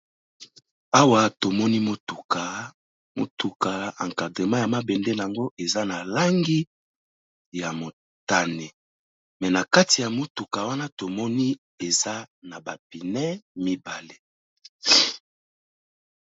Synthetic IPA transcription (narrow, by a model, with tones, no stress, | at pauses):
a˦wa˨to˨mɔ˦ni˦mo˦tu˨ka˨ | mo̰˨tu˨ka˨a˨ŋka˨de˨ma˦ja˨ma˦bɛ˨nde˦n˨a˨ŋɡo˦e˨za˦na˨la˦ŋɡi˦ | ja˨mo˨ | ta˦˨ne˨ | mɛ˨na˨ka˦ti˨ja˨mo˦tu˨ka˨wa˦na˦to˨mɔ˦ni˦ | e˨za˦na˨ba˨pi˨nɛ˦mi˦ba˨le˦